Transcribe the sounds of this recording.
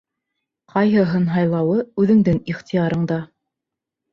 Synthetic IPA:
qʰɑjɦɤɦɤnɦɑjlˠɑwɤʉðɘ̆ŋd̪ɘŋiχt̪ijɑɾɤ̆ɴd̪ɑ

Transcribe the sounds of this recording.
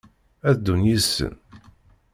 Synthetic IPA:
æðd̪ːunjisːə̰n

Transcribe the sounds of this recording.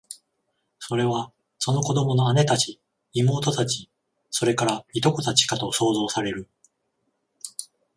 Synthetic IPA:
so̞ɾe̞β̞a | so̞no̞ko̞d̪o̞mo̞no̞ane̞t̪at͡ɕi | imo̞ːt̪o̞t̪at͡ɕi | so̞ɾe̞kaɾait̪o̞ko̞t̪at͡ɕi̥kat̪o̞so̞ːzo̞ːsaɾe̞ɾɯ̟

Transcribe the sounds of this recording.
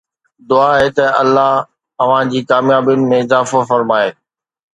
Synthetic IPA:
d̪ʊaɦet̪ɐɐlːaɦ | ɐʋ̤ãd͡ʑiːkaːmjaːbjʊnɪ̆mẽɪzaːfɐfɐɾmaːeː

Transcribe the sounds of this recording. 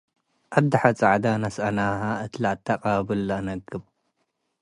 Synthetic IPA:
ʔad̪ɐħat͡sʼaʕd̪anɐsʔɐnaɦaɨt̪laʔt̪ʰːaqʼabɨlːɐnɐɡɨb

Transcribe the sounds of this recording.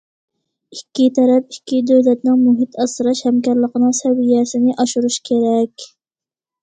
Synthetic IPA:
ikʲːit̪ʰɛɾɛpikʲːid̪øwlɛt̪nɪŋmuɦit̪ɑsɨɾɑʃhɛmkɑɾlˠəqənɨŋsɛwijɛsɪnɪʔɑʃuɾuʃkʲʰeɾɛkʲ

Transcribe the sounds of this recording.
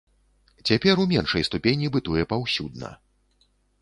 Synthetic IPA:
t͡sʲapʲɛrumʲɛnʂɐjst̪upʲenʲibɨt̪ujɛpawsʲud̪̚nɐ̰

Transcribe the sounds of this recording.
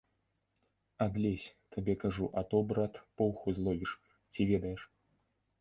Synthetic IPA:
ad̪lʲɛsʲt̪abʲɛkaʐuʔat̪ɔbɾat̪pɔwxuzlˠɔvʲiʂ | t͡sʲivʲɛd̪ɐjɛʂ

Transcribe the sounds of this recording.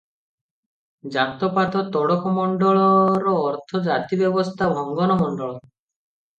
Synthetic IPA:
d͡ʒapt̪ɔpat̪ɔt̪ɔɽɔkʰɔmɔɳɖɔɭɔɾɔːɾt̪ʰɔd͡ʒat̪ibjɔbɔst̪ʰabʱɔŋɡɔnɔmɔɳɖɔɭɔ

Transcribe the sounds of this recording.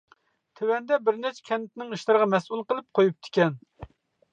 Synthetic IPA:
t̪ʰewɛnd̪ɛbɪɾnɛt͡ʃʰɛ̥kʲʰɛnːɪt̪ɪnɪŋiʃlˠɨɾəʁɑmɛsulˠqəlˠɨp̚qʰojup̚t̪ʰɪ̥kʲɛn

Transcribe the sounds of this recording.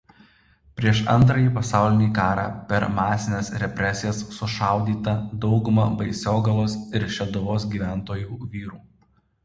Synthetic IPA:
pʲɾʲiɛʃɐ̰nt̪̬ɾɐjiːpɐsɑˑʊlʲɪnʲiːkɑːɾɑ̰ːpʲɛɾmɑːsʲɪnʲeːsɾʲɛpʲɾʲɛsʲɪjɛsːʊʃɑˑʊd̪ʲiːt̪ɐd̪ɒʊɡʊmɐbɐɪsʲoːɡɐlˠoːsɪɾʃʲɛd̪ʊʋoːsɡʲiːʋʲæˑnt̪oːjuːʋʲiːɾuː

